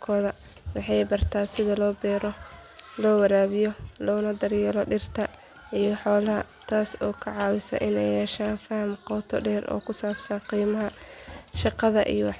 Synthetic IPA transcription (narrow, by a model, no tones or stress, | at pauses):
kʰɔːðɐ | wɑħɑjbɐrt̪ʰaːsɪðɐlɔːbɛːɾɔlɔːwɐɾaːβɪjɔlɔːnɐd̪ɐrjɛːlɔɖɪrt̪ʰɐ | ijɔħɔːlɐɦɐ̰t̪ʰaːsɔːkʰɐʕɑːwɪsɐ̰ʔɪnɛjhɛːʃaːnfɐhɐmqɔːt̪ʰɔ̰ɖɛːrɔ̰ːkʰʊsaːbsɐqiːmɐɦɐʃɑqɑðɐʔḭjɔwɑħ